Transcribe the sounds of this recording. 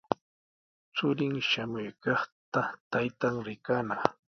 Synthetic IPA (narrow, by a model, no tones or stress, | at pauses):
t͡sʊɾɪŋʃamʊjkɑχt̪at̪ajt̪aŋɾɪkanɑχ